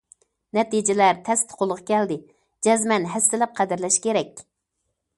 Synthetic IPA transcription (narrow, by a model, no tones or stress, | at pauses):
nɛt̪id͡ʒɪlæɾt̪ʰɛst̪ʰqʰolˠʁɑkʲʰɛld̪ɪ | d͡ʒɛzmɛnɦɛst̪ɪlɛp̚qʰæd̪ɪɾlɛʃkʲeɾɛkʲ